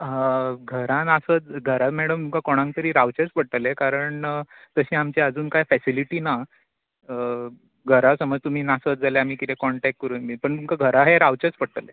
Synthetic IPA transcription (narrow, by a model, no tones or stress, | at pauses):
ɡʱəɾãnasət̪ɡʱəɾamɛɽəmt̪umkakoɽ̃ãŋk̚t̪əɾiːɾaʋt͡ɕet͡spəɽʈəlekaɾəɳt̪əɕiːamt͡ɕeəd͡zuːnkajfɛsiliʈiːna | ə | ɡʱəɾasəməd͡zt̪um̤iːnasət̪̚d͡zʱaleam̤iːkit̪ekɔɳʈɛk̚ʈ̚kəɾuːnbipəɳt̪umkaɡʱəɾaɦeɾaʋt͡ɕet͡spəɽʈəle